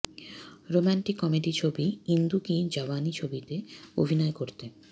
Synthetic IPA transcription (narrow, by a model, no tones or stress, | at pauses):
ɾomaɳʈikːɔmeʈit͡ɕʰobiind̪ukid͡ʑɔbanit͡ɕʰobit̪eo̰bʱinɔekoɾt̪e